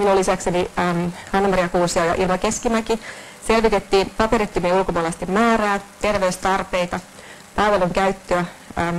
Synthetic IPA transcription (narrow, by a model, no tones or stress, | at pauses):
minulːisæksenimhɑnːmɑriɑkuːsiojɑ̰ʔḭlmɑkeskimæki | selʋit̪et̪ːiːnpɑpeɾit̪ːymieulkomoɑlɑst̪immæːɾæːt̪erʋeyst̪ɑrpeit̪ɑ | pɑiʋeluŋkæyt̪ːøæː